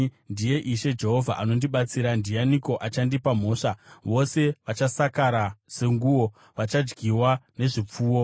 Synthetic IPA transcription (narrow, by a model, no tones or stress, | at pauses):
ndije̞ʔiʃe̞d͡ʒe̞ɦo̞vʱaʔano̞ndiɓat͡siɾandijaniko̞ʔat͡ʃandipam̤o̞ːʂaʋo̞se̞ʋat͡ʃasakaɾase̞ŋɡuːwo̞ | ʋat͡ʃad͡ʒɡiwane̞ʐip͡fuːwo̞